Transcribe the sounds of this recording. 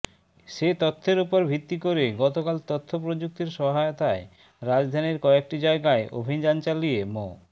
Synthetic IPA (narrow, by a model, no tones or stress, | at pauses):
ʃet̪ot̪ʰːeɾupoɾbʱit̪ːikoɾeɡɔt̪okalt̪ot̪ʰːopɾod͡ʑuk̚t̪iɾʃɔɦaeot̪ae | ɾad͡ʑd̪ʱaniɾkɔek̚ʈid͡ʑaeɡaeʔo̰bʱid͡ʑant͡ɕaliemo̰